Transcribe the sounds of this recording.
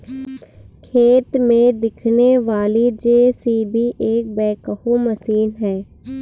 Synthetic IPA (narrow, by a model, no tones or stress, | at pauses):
kʰeːt̪mẽd̪ɪkʰneʋaːlid͡ʒeːsiːbʱiʔeːk̚bɛːkəhuməsiːnɦɛː